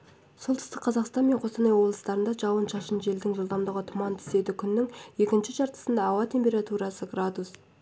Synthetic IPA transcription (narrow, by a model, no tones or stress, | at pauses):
solˠt̪ʰə̥st̪əqʰːɑzɑqst̪ɑnmeɴqʰo̞st̪ɑnɑjwo̞blˠəst̪ɑɾənd̪ɑʒɑwənʃɑʃənʒe̞ld̪ɪŋʒəlˠd̪ɑmd̪əʁət̪ʰʊmɑnt̪ʰɪ̥se̞d̪ɪkʲʰʏnːɪŋje̞kʲɪnʃɪʒɑɾt̪ə̥sənd̪ɑːwɑt̪ʰe̞mpʲe̞ɾat̪uɾɑsəɡrad̪us